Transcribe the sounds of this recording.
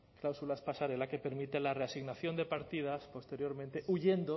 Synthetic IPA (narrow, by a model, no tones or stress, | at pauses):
klawsulaspasaɾe̞lake̞pe̞ɾmit̪elareasiɣnaθjo̞nd̪e̞paɾt̪ið̞aspo̞st̪e̞ɾjo̞ɾmẽnt̪eʔuʝe̞nd̪o